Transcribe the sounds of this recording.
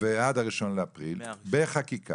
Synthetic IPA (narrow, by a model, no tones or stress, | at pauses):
vead̪aʁiʃonleapʁilbeχakikʰa̰